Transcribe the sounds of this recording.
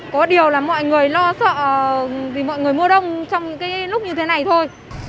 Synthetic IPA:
kɔ˨˦ɗi˨˩əwlaː˨˩mɔ̰˧˨jŋɨ˨˩əjlɔ˧sə̰ː˧˨t̪ʰi˨˩mɔ̰˧˨jŋɨ˨˩əjmu˧əɗə˧wŋ͡mt͡ɕɔ˧wŋ͡mɲɨ̰˧˥ŋkaː˨˦lʊ˦˥k͡p̚ɲɨ˧t̪ʰe˨˦na˨˩jt̪ʰo˧j

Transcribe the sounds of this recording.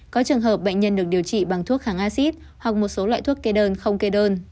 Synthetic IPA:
kɔ˨˦t͡ɕɨ˨˩əŋɦəː˨˩p̚ɓə̰˧˨jŋ̟ɲə˧nɗɨ˨˩ək̚ɗi˨˩əwt͡ɕḭ˧˨ɓa˨˩ŋt̪ʰu˦˥ək̚haː˨˩ŋʔaː˧si˦˥t̚ | hwa˨˩k̚mo˨˩t̚so˨˦lwa̰ː˧˨jt̪ʰu˦˥əkːe˧ɗəː˧nxə˧wŋ͡mke˧ɗəː˧n

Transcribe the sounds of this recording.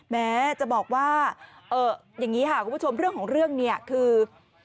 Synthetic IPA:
mɛː˦˥t͡ɕa˨˩ʔbɔː˨˩k̚waː˥˩ʔɤː˨˩ | ja˨˩ŋːiː˦˥kʰa˦˥kʰu˩˨pːʰo˧mɾɯ˥˩əŋkʰɔː˩˦ŋɾɯ˥˩əŋni˥˩ɐkʰɯː˧

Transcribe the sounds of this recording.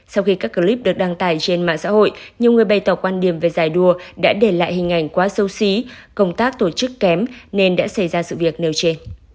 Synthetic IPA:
sa˧wxi˧kaː˦˥k̚ːə˧li˦˥p̚ɗɨ˨˩ək̚ɗaː˧ŋt̪aː˨˩jt͡ɕe˧nma̰ː˧˨sa̰ː˧˥ho̰˧˨jʔɲi˨˩əwŋɨ˨˩əjɓa˧jt̪ɔ˧˩kwaː˧nɗi˧˩əmve˨˩zaː˨˩jɗu˧˩əɗa̰ː˧˥ɗe˧˩la̰ː˧˨jhï˨˩ŋ̟ʔa˨˩jŋ̟kwaː˨˦sə˧wsi˨˦kə˧wŋ͡mt̪aː˦˥k̚t̪o˧˩t͡ɕɨ˦˥kːɛ˨˦mne˧nɗa̰ː˧˥sa˧˩jzaː˧sɨ̰˧˨vi˨˩ək̚ne˨˩wt͡ɕe˧n

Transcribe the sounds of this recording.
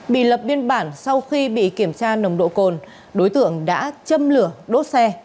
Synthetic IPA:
ɓḭ˧˨lə˨˩p̚vi˧ənɓaː˧˩nsa˧wxi˧ɓḭ˧˨ki˧˩əmt͡ɕaː˧nə˨˩wŋ͡mɗo̰˧˨ko˨˩n | ɗo˨˦jt̪ɨ˧˩əŋɗa̰ː˧˥t͡ɕə˧mlɨ˧˩əɗo˦˥t̚sɛ˧

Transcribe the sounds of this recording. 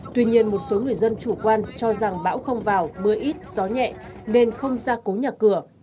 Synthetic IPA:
t̪wi˧ɲi˧ənmo˨˩t̚so˨˦ŋɨ˨˩əjzə˧nt͡ɕu˧˩kwaː˧nt͡ɕɔ˧za˨˩ŋɓa̰ː˧˥wxə˧wŋ͡mvaː˨˩wmɨ˨˧əʔi˦˥t̚z̥ɔ˨˦ɲɛ̰˧˨ne˧nxə˧wŋ͡mzaː˧ko˨˦ɲaː˨˩kɨ˧˩ə

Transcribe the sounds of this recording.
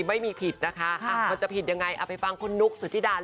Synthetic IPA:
ma˥˩jmiː˧pʰi˨˩t̪̚na˦˥kʰa˦˥˧ma˧nt͡ɕa˨˩pʰi˨˩t̪̚ja˧ŋːa˧jʔa̰ː˨˩pa˧jfa˧ŋkʰo˧nːu˦˥k̚su˨˩˦t̪ʰiː˥˩daː˧l

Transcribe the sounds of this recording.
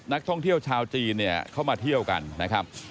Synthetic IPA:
na˦˥k̚t̪ʰɔ˥˩ŋt̪ʰi˥˩əwt͡ɕʰaː˧wt͡ɕiː˧nːi˥˩ɐkʰa˥˩wmaː˧t̪ʰi˥˩əwka̰˧nːa˦˥kʰɾa˦˥p̚

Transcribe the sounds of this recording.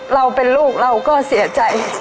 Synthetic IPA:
ɾa˧wpe˧nluː˥˩k̚ɾa˧wkɔː˥˩si˨˩˦ɐt͡ɕa˧j

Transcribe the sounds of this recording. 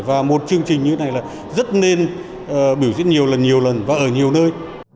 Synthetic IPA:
vaː˨˩mo˨˩t̚t͡ɕɨ˧əŋt͡ɕï˨˩ŋ̟ɲɨ˧tʰe˦na˨˩jlaː˨˩ | zə˦˥t̚ne˧n | ʔːɓi˧˩wzḭ˧˥n̚ɲi˨˩əwlə˨˩nɲi˨˩əwlə˨˩nvaː˨˩ʔəː˧˩ɲi˨˩əwnəː˧j

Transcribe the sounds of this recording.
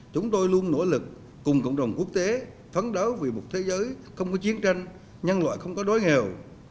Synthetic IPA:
t͡ɕʊ˨˦ŋ͡mt̪o˧jlu˧ənːo̰˧˩lɨ˨˩k̚ː | ʊ˨˩ŋ͡mkə̰˧˨wŋ͡mɗə˨˩wŋ͡mku˦˥ək̚t̪e˨˦ | fʰə˨˦nɗə˨˦wvi˨˩mʊ˨˩k͡p̚t̪ʰe˨˦zəː˨˦jxə˧wŋ͡mkɔ˨˦t͡ɕi˨˦ənt͡ɕa˧jŋ̟ | ɲə˧nla̰ː˧˨jxə˧wŋ͡mkɔ˨˦ɗo˨˦jŋe˨˩w

